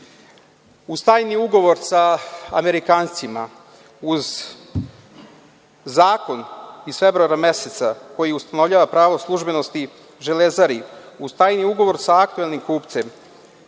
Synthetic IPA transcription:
ust̪aːjniuɡo̞ʋo̞ɾsaa̰me̞ɾikaːnt̪sima | uz | aːko̞nisfe̞bɾuaɾame̞set̪sako̞jiust̪ano̞vʎaːʋapɾaːʋoslˠuʒbe̞no̞st̪i | ʒelezaɾiust̪aːjniuɡo̞ʋo̞ɾsaːk̚t̪uelˠnimkuːpt̪sem

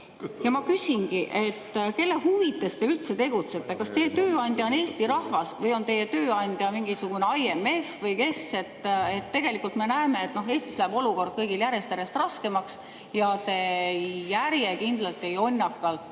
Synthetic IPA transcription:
jɑmɑkysʲinɡiʔe̞t̪ːke̞lːehuvit̪ːˑe̞st̪e̞ylt̪se̞t̪e̞ɡ̥ut̪se̞t̪ːe̞kɑst̪e̞jːet̪øːɑnʲd̪̥ʲjɑo̞ne̞ːst̪iɾɑhvɑsvɤjo̞nt̪e̞jet̪ø̞ːɑnʲd̪̥ʲjɑmiŋɡisuɡ̥uneɑje̞me̞fvɤjke̞se̞t̪ːe̞t̪ːe̞ɡ̥e̞likːˑult̪me̞næeme̞et̪ːno̞ɦe̞ːst̪islæːb̥o̞luko̞rd̪̥̚kɤjɡiljæɾe̞st̪æɾest̪rɑske̞mɑks | jɑt̪e̞jæɾjekind̪̥lɑlt̪ːˑiejo̞nʲːɑkːˑɑlt̪ːˑ

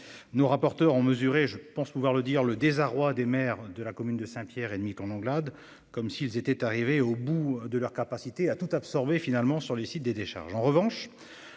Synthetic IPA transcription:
noʁapɔʁt̪œʁɔ̃məzyʁeʒəpɑ̃spuvwaʁləd̪iʁləd̪ezaʁwad̪emɛʁd̪əlakɔmynd̪əsɛ̃pjɛʁed̪mit̪ɔ̃lɑ̃ɡlad̪ | kɔmsiːlzet̪ɛt̪aʁiveobud̪əlœʁkapasit̪eat̪ut̪apsɔʁbefinalmɑ̃syʁlesit̪̚d̪ed̪eʃa̰ʁʒɑ̃ʁəvɑ̃ʃ

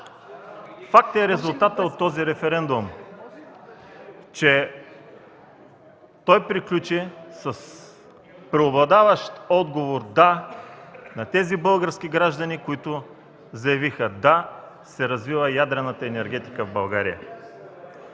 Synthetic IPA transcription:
fak̚t̪ɛɾɛzʊlˠt̪at̪əot̪ːɔziɾɛfɛɾɛnd̪um | t͡ʃɛ | t̪ɔjpɾiklʲut͡ʃisɐs | pɾɛoblˠɐd̪avəʃt̪ɔd̪ɡovoɾd̪a | nɐt̪ɛzibɤlˠɡəɾskʲiɡɾaʒd̪ɐnikʊit̪ʊ | zɐjɐvixəd̪a | sɛɾɐzvivəjad̪ɾɛnət̪əɛnɛɾɡ̟ɛt̪i̥kəvbɐlˠɡaɾijə̰

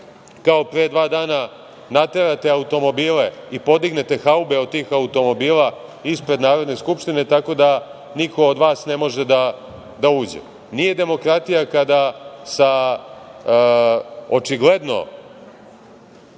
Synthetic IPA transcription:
kaopɾeːd̪ʋaːd̪aːna | nat̪eɾat̪e̞aut̪o̞mo̞biːleipo̞d̪iɡne̞t̪e̞xaubeo̞d̪̚t̪iːxaut̪o̞mo̞biːlaispɾe̞d̪naːɾo̞d̪ne̞skupʃt̪ine̞t̪ako̞d̪a | nikʰo̞ːd̪ʋaːsne̞mo̞ʒed̪a | d̪auːd͡ʑḛ | nije̞d̪e̞mo̞kɾat̪ijakad̪asa | ot͡ʃiɡle̞d̪no̞̰

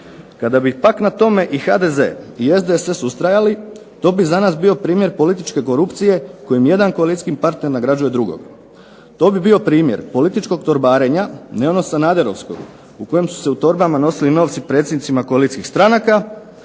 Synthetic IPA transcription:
kad̪abipaknat̪o̞me̞ʔixa̰d̪e̞ze̞̰ːie̞zd̪esesust̪ɾajali | t̪o̞ːbizanaːsbio̞pɾiːmje̞ɾpo̞lit̪it͡ʃke̞ko̞ɾupt̪sije̞ko̞jimje̞d̪ankoalˠit̪sʲkimpaɾt̪ne̞ɾnaɡɾad͡ʒuje̞d̪ɾuɡo̰ɡ | t̪o̞ːbibio̞pɾiːmje̞ɾpo̞lit̪it͡ʃko̞ɡt̪o̞ɾbaːɾe̞ɲane̞ono̞sanaːd̪e̞ɾo̞̰ʋsko̞̰ɡ | uko̞je̞msu̥se̞ut̪o̞ɾbamano̞silino̞ːʋt̪sipɾe̞t̪sʲjed̪nit̪imako̞alit̪sʲkixst̪ɾanaka

